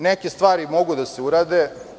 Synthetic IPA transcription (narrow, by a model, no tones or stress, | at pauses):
nekest̪ʋaːɾimo̞ɡud̪aseuɾaːd̪e